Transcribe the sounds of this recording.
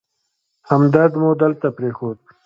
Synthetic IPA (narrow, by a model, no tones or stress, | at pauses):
hɐmd̪ɐɾd̪moːd̪əlt̪apɾeːxoːd̪̚